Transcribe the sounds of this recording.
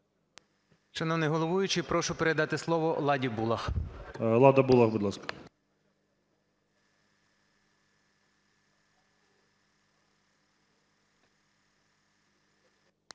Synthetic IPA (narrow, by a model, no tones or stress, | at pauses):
ʃɐnɔʋnɛɦɔlˠɔʋujʊt͡ʃɪpɾɔʃʊpeɾed̪ɑt̪ɪslˠɔʋɔlˠɑdʲibulˠɐx | lˠɑd̪ɐbulˠɐxbud̪lˠɑskɐ̥